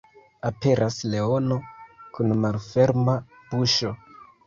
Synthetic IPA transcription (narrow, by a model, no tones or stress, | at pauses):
ape̞ɾʔasle̞o̞no̞kunmalfe̞ɾma | b̥uʃo̞